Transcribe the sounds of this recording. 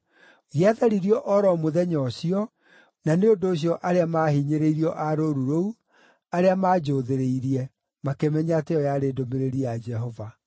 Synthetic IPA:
ɣiaðaɾiɾiɔʔɔɾɔmoðɛɲɔsiɔ | naneondoːɕ̬jɔʔaɾeamaːhiɲeɾeiɾiɔʔaɾoɾuɾou | aɾeamaːd͡ʑoːðeɾeiɾiɛ | makemɛɲatejɔjaɾeːdomeɾeɾiad͡ʒɛɦɔva

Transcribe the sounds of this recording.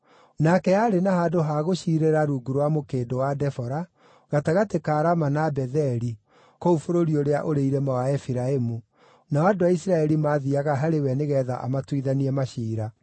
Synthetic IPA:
nakɛaɾenahaːdoɦaɣoɕiːɾeɾaɾuːɡuɾowamokeːdowadɛfɔɾa | ɣataɣatekaːɾamanabɛðɛɾi | koufoɾoɾioɾeaʔoɾeiɾɛmawaɛfiɾaemu | naadowaisɾaɛɾimaːðiaɣaɦaɾewɛneɣɛða̰ʔa̰matwiðaniɛmaɕiːɾa

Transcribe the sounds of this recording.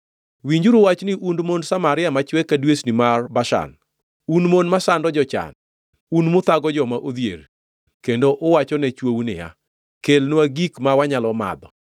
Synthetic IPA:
wiɲd͡ʒuɾʊwat͡ʃnɪʔundmonsamaɾɪjamat͡ʃwɛkːadwesnɪmarbaʃa̰n | unmonmasandɔd͡ʒɔt͡ʃa̰n | unmʊt̪aɡɔd͡ʒɔmaʔod̪jḛɾ | kendoʔʊwat͡ʃɔnɛt͡ʃwownɪ̰ja̰ | kelnwaɡikmawaɲalɔma̰d̪ɔ

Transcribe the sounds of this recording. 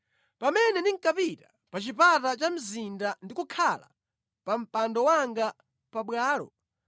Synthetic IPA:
pamɛnɛniŋ̩kapita | pat͡ʃipatat͡ʃam̩zindandikukʰala̰ | pam̩pandɔwaŋɡa | paɓwaːlɔ̰

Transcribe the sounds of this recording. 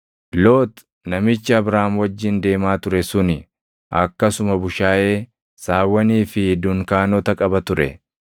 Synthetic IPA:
loːt̪ | nɐmɪt͡ʃːɪɐbɾaːmwɐd͡ʒːɪnd̪e̞ːmaːt̪ʊɾɛsʊnɪ | ʔɐkːɐsʊmɐbʊʃaːʔe̞ː | saːwːɐniːfɪd̪ʊŋkaːnɔt̪ɐkʼɐbɐt̪ʊɾɛ̰

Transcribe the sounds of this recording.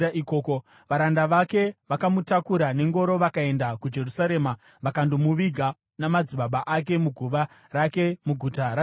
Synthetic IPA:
aʔikoːko | ʋaɾandaʋake̞ʋakamutakuɾane̞ŋɡo̞ɾo̞ʋakae̞ndakud͡ʒe̞rusaɾe̞ːma | ʋakandomuʋiɡʱa | namad͡ziɓaɓaʔak̬e̞muɡʱuʋa | ɾake̞muɡʱutaɾa

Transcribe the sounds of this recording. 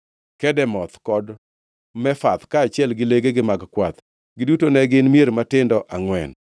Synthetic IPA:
kɛdɛmɔt̪kɔd | mɛfat̪kaːt͡ʃɪɛlɡɪleɡeɡɪmaɡkwat̪ | ɡɪdutonɛɡɪnmjeɾmatɪndɔʔaŋwɛ̰n

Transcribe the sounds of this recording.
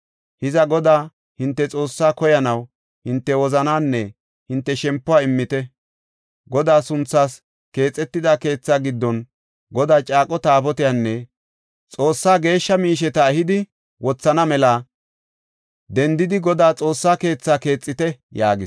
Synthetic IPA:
hɪzɐɡɔd̪aː | hɪnt̪ːɛt͡sʼo̞ːsːaːkɔjɐnɐw | hɪnt̪ːɛwɔzɐnaːnːɛ | hɪnt̪ːɛʃɛmpːʊaːɪmːɪt̪ɛ | ɡɔd̪aːsʊnt͡sːaːs | ke̞ːt͡sʼːɛt̪ːɪd̪aːke̞ːt͡sːaːɡɪd̪ːɔn | ɡɔd̪aːt͡ʃʼaːkʼɔt̪aːpɔt̪ɪjanːɛ | t͡sʼo̞ːsːaːɡe̞ːʃːɐmiːʃɛt̪ɐɛhɪd̪ɪ | wɔt͡sːɐnɐmɛlaː | d̪ɛnd̪ɪd̪ɪɡɔd̪aːt͡sʼo̞ːsːaːke̞ːt͡sːaːke̞ːt͡sʼːɪt̪ɛjaːɡɪ

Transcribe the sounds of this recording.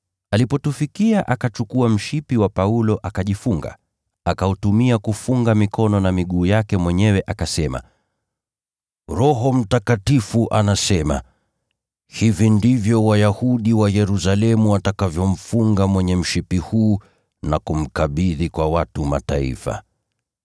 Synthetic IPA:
alipɔtufikiaʔakat͡ʃukuam̩ʃipiwapaulɔʔakaʄifuŋɡa̰ | akautumiakufuŋɡamikɔnɔnamiɠuːjakɛmwɛɲɛwɛʔakasɛma̰ | ɾɔɦɔm̩takatifuʔanasɛma̰ | hivindivjɔwajahuɗiwajɛɾusalɛmuwatakavjɔm̩fuŋɡamwɛɲɛm̩ʃipihuː | nakum̩kaɓiðikwawatuma̰taḭfa̰

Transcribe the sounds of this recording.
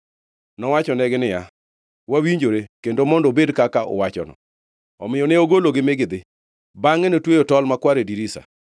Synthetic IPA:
nɔwat͡ʃɔnɛɡɪnɪja | wawiɲd͡ʒoɾekendomɔndɔbedkakaʔɔ̰wat͡ʃɔnɔ̰ | ɔmɪjɔneoɡoloɡɪmɪɡɪd̪ɪ | baŋɛnotwejotɔlmakwaɾediɾisa̰

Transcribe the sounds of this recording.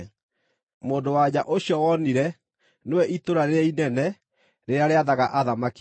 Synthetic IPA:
moːndowad͡ʑaʔoɕjɔwɔniɾɛ | nowɛʔitoɾaɾeɾɛinɛnɛ | ɾeɾaɾeaðaɣaʔaðamak

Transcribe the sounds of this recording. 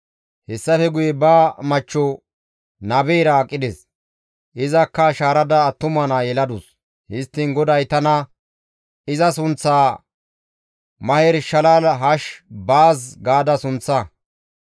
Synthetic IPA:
hɛsːɐfɛɡʊjɛbaːmɐt͡ʃːɔ | nɐbɛjɾɐːkʼːɪd̪ɛs | ʔɪzɐkːɐʃaːɾɐd̪ɐːt̪ːʊmɐnajɛlɐd̪ʊs | hɪst̪ːɪnɡɔd̪ɐjt̪ɐnɐ | ɪzɐsʊnt͡sːaː | mɐhɛɾʃɐlalɦɐʃbaːs̬ɡaːd̪ɐsʊnt͡sːɐ

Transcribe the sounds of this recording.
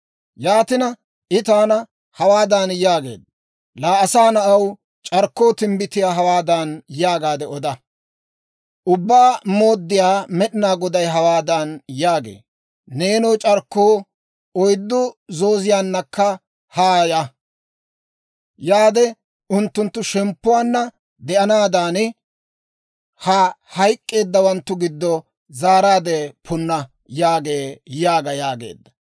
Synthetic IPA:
jaːt̪ɪnɐ | ʔɪt̪aːnɐ | hɐwaːd̪ɐnjaːɡḛːd̪̚ | laːɐsaːnɐʔɐw | t͡ʃʼɐɾkːo̞ːt̪ɪmbɪt̪ːɪjaːɦɐwaːd̪ɐnjaːɡaːd̪ɛɔd̪ɐ | ʔʊbːaːmo̞ːd̪ːɪjaːmɛɗɪnaːɡɔd̪ɐjɦɐwaːd̪ɐnjaːɡḛː | neːnɔːt͡ʃʼɐɾkːoː | ɔjd̪ːʊzoːzɪjaːnːɐkːɐ | haːjɐ | jaːd̪ɛ | ʊnt̪ːʊnt̪ːʊʃɛmpːʊwaːnːɐ | d̪ɛʔɐnaːd̪aːn | hɐ | hɐjkʼːe̞ːd̪ːɐwɐnt̪ːʊɡɪd̪ːɔ | zaːɾaːd̪epʰʊnːɐ | jaːɡe̞ːjaːɡɐjaːɡe̞̰ːd̪ːɐ̥

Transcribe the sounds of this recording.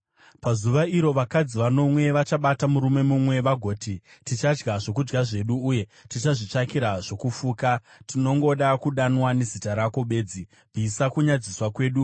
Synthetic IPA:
pazuʋaiɾo̞ʋakad͡ziʋano̞mwe̞ʋat͡ʃaɓatamuɾume̞mumwe̞ʋaɡʱo̞ːtitit͡ʃad͡ʒɡaʐo̞k̬ud͡ʒɡaʐe̞ɗuːje̞tit͡ʃaʐit͡ʂakiɾaʐ̥o̞kufuːkatʰino̞ŋɡoɗakuɗanwane̞zitaɾako̞ɓe̞ːd͡zi | bʱisakuɲad͡ziswakwe̞ːɗu

